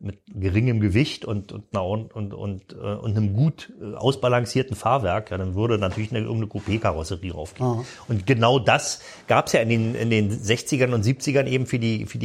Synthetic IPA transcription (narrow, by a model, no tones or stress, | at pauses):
mɪt̚ɡ̥əʁɪŋəmɡəvɪçtʊntʊntnɐʊnʊ̰ntɛ̰ːʔʊ̰ntnəmɡuːtːʔa̰ʊsb̥alaŋsiːɐtn̩faːɐvɛɐkjaːɾanvʏɐɾənatʰyɐlɪçnəɪ̰ɐɡŋ̩tnəkʰopʰeːkʰaʁɔsəʁiːʔa̰ʊfɡ̥e | ʔʊntɡ̥ənaʊdas | ɡ̥aːpəsjaːɪndeːnʔɪ̰ndeːnzɛçt͡sɪɡɐnʊntz̥iːp̚t͡sɪɡɐnʔeːbm̩fyːɐdiːfyːɐdi